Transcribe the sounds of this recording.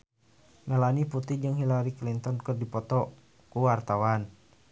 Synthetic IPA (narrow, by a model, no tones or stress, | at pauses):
mɛlaniput̪id͡ʒɨŋɦilaɾiklint̪ɔnkɨrdipɔt̪ɔ | kuwart̪awan